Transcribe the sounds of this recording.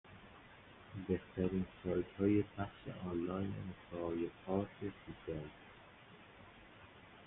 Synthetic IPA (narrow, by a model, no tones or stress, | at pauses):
beht̪ʰæɾiːnsɒːjt̪hɒːje̞pʰæxʃḛʔɒːnlɒːjnḛmosɒɒːjepʰɒːɾt̪ʰesisel